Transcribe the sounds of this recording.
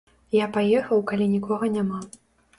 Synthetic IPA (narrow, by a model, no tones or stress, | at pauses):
japajɛxɐwkalʲinʲikɔɣɐnʲama